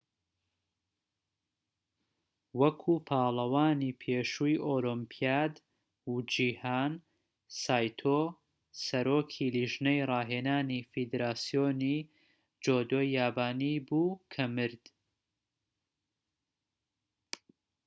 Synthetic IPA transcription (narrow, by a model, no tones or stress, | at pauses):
wɐkʰupʰaːlˠɐwaːniːpʰeːʃujʔolɔmpʰijaːd̪ | ud͡ʒiːhaːn | saːjt̪ʰo | sɐɾoːkʰiliʒnɛjrˤɑːɦeːnaːnifid̪eɾaːsijoːni | d͡ʒoːd̪oːjːaːbaːniːbuːkʰɐmɨɾd̪̥